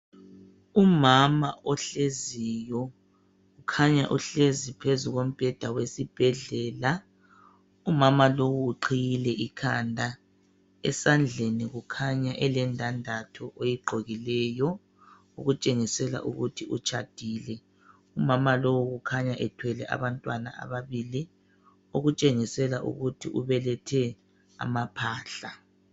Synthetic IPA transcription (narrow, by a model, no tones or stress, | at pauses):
umamaʔɔɬezijɔ | ɣukʰaɲaʔuɬezipʰezuɣom̩b̥ʱɛd̥ʱawesib̥ʱɛɮɛːla | umamalowuːǃʰijilɛʔikʰandʱa | ɛsand͡ɮʱeniɣukʰaɲaʔɛlɛndʱandʱatʰɔʔejiɡ͡ǃʱoɣilɛːjɔ | uɣut͡ʃʼeŋisɛla̰ʔuɣutʰiʔut͡ʃʰad̥ʱiːlɛ | umamalowuɣukʰaɲaʔɛtʰwɛlɛʔa̰βantʼwana̰ʔa̰βaβiːli | oɣut͡ʃʼeŋisɛlaʔṵɣutʰiʔuβɛlɛtʰɛ | a̰mapʰaːɬa